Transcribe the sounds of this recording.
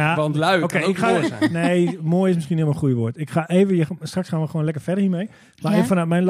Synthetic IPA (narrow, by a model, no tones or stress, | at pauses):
aɔlokeːɪkaneːmoəjɪsmɪskiənɪəməxujəʋoətɪkχaʔeːvəjəstraksxanʋəxʋoːnlɛkərfɛdəhiəmeː | maeəfɔnatmɛjnl